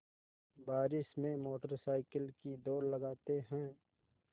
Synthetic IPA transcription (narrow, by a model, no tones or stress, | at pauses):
baːɾɪʃmẽmoːʈəɾsaːɪkəlkid̪oːɾləɡaːt̪eɦɛ̃ː